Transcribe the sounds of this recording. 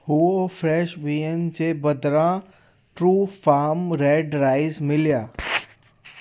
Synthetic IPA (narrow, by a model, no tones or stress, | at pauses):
huofʰɾɛːʃʋiənt͡ʃebəd̪ɾã | ʈɾuːfaːmɾeːɖɾaːɪzmɪlijaː